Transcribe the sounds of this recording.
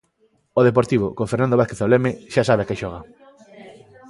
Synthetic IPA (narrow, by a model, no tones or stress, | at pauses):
oðep̬oɾt̪iβo̰koɱfeɾnand̪oβaθkeθolemeʃasaβeakeʃɔɣ̞a